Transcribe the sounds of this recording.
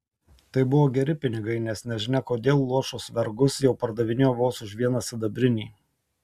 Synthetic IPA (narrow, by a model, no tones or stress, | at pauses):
t̪ɐɪbʊʋoːɡʲɛɾʲɪpʲɪnʲɪɡɐɪnʲɛsnʲɛʒʲɪnʲɛkoːd̪ʲeːlˠːuɔʃosʋʲɛɾɡʊsjɛʊpɐɾd̪ɐʋʲɪnʲejoːʋoːsʊʃʋʲiɛnɐsʲɪd̪ɐbʲɾʲɪnʲiː